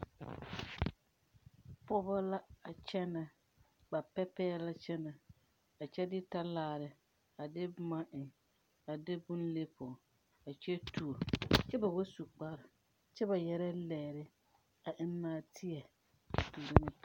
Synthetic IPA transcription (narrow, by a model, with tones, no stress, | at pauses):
pʊ˦ba˦la˦a˨t͡ʃɛ˦na˨ | ba˨pɛ˦pɛ˦ɛ˦la˦t͡ʃɛ˦na˨ | a˨t͡ʃɛ˦dɪ˦ta˦laː˦˨ɾɪ˨ | a˨dɪ˦ma˦ʔɪ˨ | a˨dɪ˦bʊ˦n˦le˦pʰʊ˨ | a˨t͡ʃɛ˦tʰu˨o˨t͡ʃɛ˦ba˨wo˦su˨k͡pa˦ɾɪ˨ | t͡ʃɛ˦ba˨jɛ˨ɾɛ˦lɛː˨ɾɪ˦ | a˨ʔɪ˦nː˦aː˦tʰɪ˦ɛ˨ | tuː˨ɾo˦nɪ˦˨